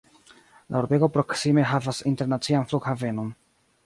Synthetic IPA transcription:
lʔa̰uɾbe̞ɡo̞pɾo̞ksime̞ɦavasinte̞ɾnat͡sianflukhave̞no̞n

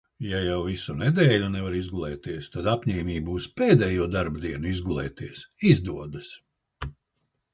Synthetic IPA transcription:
jajawvisunɛd̪ɛːʎʲunɛvaɾizɡulˠɛːt̪iɛst̪ad̪apʲɲɛːmʲiːbuuspeːd̪ɛːjuɔd̪aɾbd̪iɛnuizɡulˠɛ̰ːt̪iɛsizd̪uɔd̪ɐs

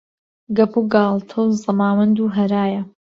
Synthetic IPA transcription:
ɡɐpuɡaːlˠt̪ʰɐwzɨmaːwɐnd̪uːɦɐɾaːjɐ

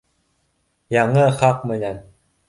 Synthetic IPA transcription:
jɑɴɤχɑq̚mɘ̆næn

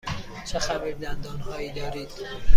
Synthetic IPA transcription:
t͡ʃʰexæbiɾd̪ænd̪ɒːnhɒːiːd̪ɒːɾiːd̪̥

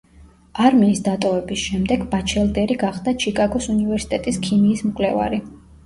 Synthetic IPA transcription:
aɾmiːsd̪at̪ʼɔvɛbisʃɛmd̪ɛɡbat͡ʃʰɛlˠd̪ɛɾiɡaχd̪at͡ʃʰikʼaɡɔsunivɛɾsi̥t̪ʼɛt̪ʼiskʰimiːsmkʼlɛva̰ɾi

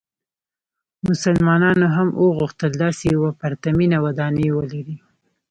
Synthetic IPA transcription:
mʊsalmɑnɑnoɦamʔəɣuxt̪əld̪ɑsejawapaɾt̪aminawad̪ɑnewəlaɾi

